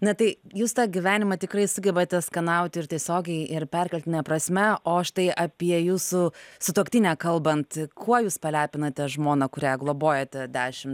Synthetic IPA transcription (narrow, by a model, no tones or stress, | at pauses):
nʲɐt̪ɐɪjuːst̪ɑːɡʲiʋʲæːnʲɪmɐt̪ʲɪkɾɐɪsʊɡʲɛbɐt̪ʲɛskɐnɐʊt̪ʲɪɾtʲiɛsʲoːɡʲɛɪɪrpʲæɾʲkʲɛlʲt̪ʲɪnʲɛpɾɐsʲmʲɛʔoːʃt̪ɐɪʔɐpʲiɛjuːsʊsʊt̪oːkt̪ʲiːnʲɛːkɐlˠbɐnt̪kʰuɔjuːspɐlʲæːpʲɪnɐt̪ʲɛʒmoːnɐkʊɾʲæːɡlˠoːboːjɛt̪ʲɛd̪ʲæːʃʲɪm